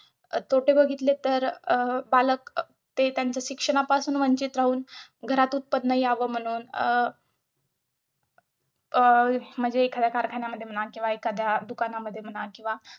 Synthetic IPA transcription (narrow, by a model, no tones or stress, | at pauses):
t̪ʰoʈebəɡʱit̪let̪əɾbalək̚ | t̪et̪jant͡səɕikʂəɳ̃apasuːnʋəɲt͡ɕiːt̪ɾaɦuːnɡʱəɾat̪uːt̪̚pəd̪ːəiaʋəm̤əɽ̃uːn | m̤əd͡ʑeːkʰad̪jakaɾkʰaɳjaməd̪ʱjem̤ənakĩw̃ʋaekad̪ʱjad̪ukanaməd̪ʱːjem̤ənakĩw̃ʋa